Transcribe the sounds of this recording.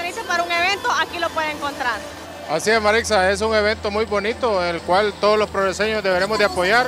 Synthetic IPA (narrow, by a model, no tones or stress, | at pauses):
enisepaɾauŋe̞βe̞nt̪oakilo̞pweðeeŋko̞nt̪ɾaɾ | asieszmaɾiksae̞s̬uŋe̞β̞e̞nt̪o̞mujbo̞nit̪o̞eŋelkwalt̪o̞ðolo̞spɾoðese̞ɲo̞zðe̞βe̞ɾe̞mozd̪eapo̞ʝaɾ